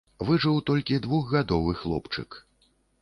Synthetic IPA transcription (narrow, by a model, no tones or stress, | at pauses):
vɨʐɨwt̪ɔlʲkʲid̪vuɣɣad̪ɔvɨxlˠɔ̰pt͡ʂɨ̰k